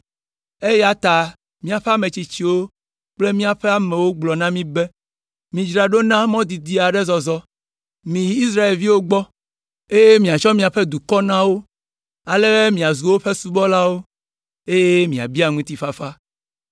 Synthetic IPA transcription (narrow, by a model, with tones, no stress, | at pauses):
e˦ja˦t̪a˨ | mĩ˦a˨ɸɛ˦a˦mẽ˨t͡ɕi˨t͡ɕi˦wo˦ | k͡ple˦mĩ˦a˨ɸɛ˦a˦mɛ̃˨wo˦ɡ͡blɔ˨nã˦mĩ˦be˦ | mĩ˨d͡ʒɾa˨ɖo˦nã˦mɔ̃˦d̪i˨d̪i˦a˨ɖɛ˦zɔ˨zɔ˦ | mĩ˨i˦sɾa˦e˨lvi˦wo˦ɡ͡bɔ˦ | e˦je˦mĩ˨a˨t͡ʃɔ˦mĩ˦a˨ɸe˦d̪u˨kɔ˦nã˦wo˦ | a˨le˦bɛ˦mĩ˨a˨zu˨wo˦ɸe˦su˦bɔ˦la˦wo˦ | e˦je˦mĩ˨a̰˨bi˦a˨ŋũ˦t̪i˦fa˦fa˦